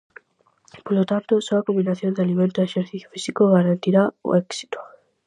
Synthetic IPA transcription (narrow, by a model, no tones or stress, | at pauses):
polot̪ant̪osoakombinaθjond̪ealimẽnt̪oeʃeɾθiθjo̥fisikoɣaɾant̪iɾao̰eksi̥t̪o̥